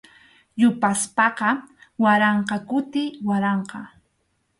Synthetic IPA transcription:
jʊpaspɑqɑwaɾɑɴqɑkʊt̪ɪwaɾɑɴqɑ

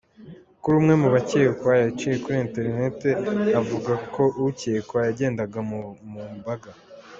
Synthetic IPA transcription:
kuɾumŋe̞muβacekwajat͡ʃije̞kuɾiente̞ɾine̞te̞avuɡakʰo̞ʔucekwajaɟe̞ːndaɡamumbaɡa

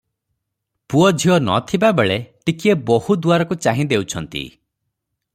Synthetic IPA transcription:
puɔd͡ʒʱiɔnɔ̰t̪ʰibabeɭeʈikiebohud̪uaɾɔkut͡ʃaɦĩd̪ewt͡ʃʰɔnt̪ḭ

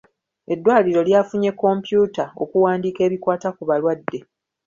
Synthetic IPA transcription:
e̞dːwaːliɾo̞ljaːfuɲe̞kːo̞mpjuːtao̞̰kuwaːndiːke̞ːβikwaːtakuβalwadːe̞

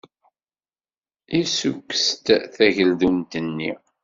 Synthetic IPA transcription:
isukːə̥st̪θæʝəld̪umt̪ənːḭ

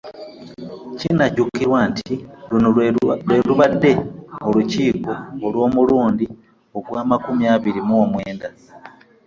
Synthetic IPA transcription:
cinacukːiɾwaːntʰilunwe̞luβadːe̞oluciːko̞ːlwo̞ːmuluːndi | oɡwaːmakumiaːβiɾimuomwe̞ːnda

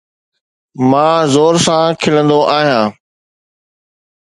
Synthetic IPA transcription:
mãːzoːɾsãːkʰɪlə̃nd̪oʔaːɦijãː

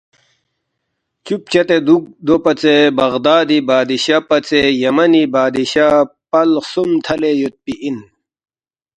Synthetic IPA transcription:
t͡ɕup̚t͡ɕɐt̪ed̪ud̪opɐt͡sebɐʁd̪aːd̪ibaːd̪iɕapɐt͡sejɐmɐnibaːd̪iɕapɐlsumt̪ʰɐlejut̪̚piʔin

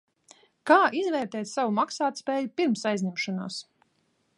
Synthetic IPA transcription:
kaːʔizvɛːɾt̪ɛːt̪ʲsavumaksaːt̪spɛːjupiɾmsajzʲɲʲɛmʃɔnaːs

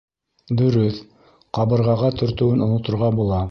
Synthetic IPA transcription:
d̪ɵ̆ɾɵθ | qɑβɤ̆ɾʁɑʁɑt̪ɵ̆ɾt̪ɵ̆wɘnŏnŏt̪ŏɾʁɑbulˠɑ

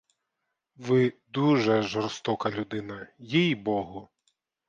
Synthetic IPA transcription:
ʋɪd̪uʒɛʒɔrst̪ɔkɐlʲud̪ɪnɐjɛjbɔɦʊ

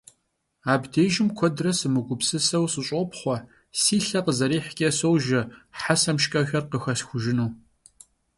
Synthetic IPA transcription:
aːbdeːʒɪmkʷʰɔdrɐsɨmɨɡʷʊpsɨsɐwsɨɕʼɔpχʷɔ | siːɬɐqəzɐɾiːħkʲʼɐsowʒɐħasɐmʃkʼɐxɐrqəxɐsxʷʊʒɪnuː

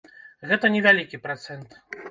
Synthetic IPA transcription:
ɣɛt̪ɐnʲɛvʲalʲikʲipɾat̪sɛnt̪

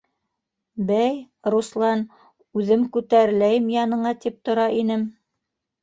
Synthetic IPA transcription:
bæj | ɾuslˠɑn | ʉðɘmkʉt̪æɾɘ̆læjɘmjɑnɤ̆ɴɑt̪ip̚t̪ŏɾɑinɘm

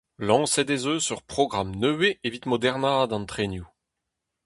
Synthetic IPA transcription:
lɑ̃ːsɛd̪ezøsyʁpχɔɡʁamnøweːvit̪mɔd̪ɛʁnaːd̪ɑ̃nt̪χenju

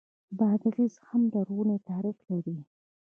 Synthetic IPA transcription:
bad̪ɣizhamd̪əɾwunet̪aɾɪklaɾi

